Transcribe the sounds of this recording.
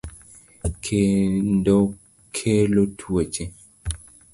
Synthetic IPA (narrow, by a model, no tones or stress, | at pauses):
kʰendɔ | kʰelotʰwot͡ʃe